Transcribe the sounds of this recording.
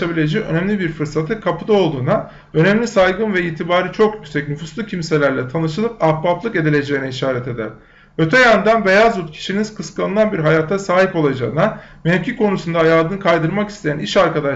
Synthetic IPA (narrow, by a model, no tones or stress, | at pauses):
abilʲe̞d͡ʒiønɛmlʲibiɾfɯɾsat̪ʰɯkʰapʰɯd̪ao̞lˠd̪uːna | ø̞nɛmlʲisajɡɯnvɛiːt̪ʰibaːɾit͡ʃʰo̞kjycʲsɛcnufuslˠucʰimse̞lʲæɾlʲɛt̪ʰanɯʃɯlˠɯpapːaplˠɯke̞d̪ilʲe̞d͡ʒe̞jinɛiʃaːɾɛt̪ʰe̞d̪æ̰ɾ̥ | ø̞t̪ʰɛjand̪anbe̞jazut̪cʰi̥ʃiniz̥kʰɯskaɯnanbiɾɦajaːt̪ʰːasaːɦipo̞lˠad͡ʒa̰ɯna | meɛfcʲʰikʰo̞nusund̪aːjaːd̪ɯnɯkʰajd̪ɯɾmaki̥st̪ʰe̞jæniʃaɾkad̪a